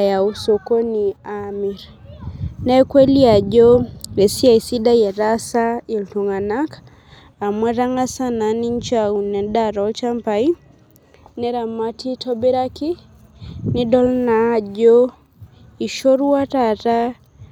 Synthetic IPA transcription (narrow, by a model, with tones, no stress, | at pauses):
ja˨u˨so˨ko˦ni˨ami˨ɾ | nɛ˦kwe˦li˦a˨d͡ʒo˦e˨si˦a˨i˨si˦da˦jɛ˨ɾa˦sa˦i˨ltu˨ŋa˨na˦k | a˨mwɛ˦ɾa˦ŋa˦sa˦na˨ni˦ɲt͡ʃau˨nɛ˨da˦ɾɔ˨t͡ʃa˦mpa˨i˦ | nɛ˦ɾa˨ma˦tʰi˦tʰɔ˦bi˦ɾa˦ki˦ | ni˦dɔ˦lnaː˨˦d͡ʒo˦ | i˨ʃo˦ɾu˦wa˦tata˦